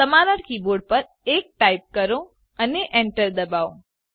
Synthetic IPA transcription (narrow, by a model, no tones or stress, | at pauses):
əmaɾəɽkiboɽ̚pəɾ | ek̚ʈaip̚kəɾõ | əneʔeɳʈəɾd̪əbaʋõ